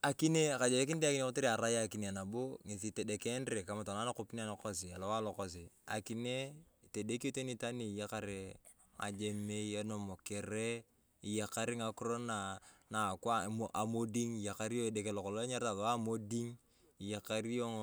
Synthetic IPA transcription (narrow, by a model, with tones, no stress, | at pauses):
a˨ki˦ne˦ka˨d͡ʒe˨je˦k̬i˦n˦de˦a˦kine˦ko˦te˦ɾi˨a˨ɾa˦jaki˨ne˨a˨na˨bo˦ŋe˨s̬i˨te˨de˨ke˦nɾe˨ka˨ma˨ta˨na˦na˦ko˦pin˦a˨lo˨ko˦s̬ɪ˨a˨lo˦wa˦lɔ˨ko˦s̬i˨a̰˨ki˨ne˦˨ | te˨de˦ko˦te˦ni˦ta˦ni˨ja˦ka˦ɾe˨ | a̰˨d͡ʒe˦me˦ie˦no˨mo˨ke˨ɾe˦ | i˨ja˨ka˦ɾɪ˦ŋa˦kʊ˦ɾo˦na˨na˨kwa˦ʔa˨mo˦di˦ŋi˨ja˨ka˦ɾi˦o˦e˨de˨ke˨lo˨ko˨lo˦a˦ɲa˦ɾta˨lo˨wa˦mo˦di˦ŋ | i˨ja˨ka˦ɾi˦o˦ŋ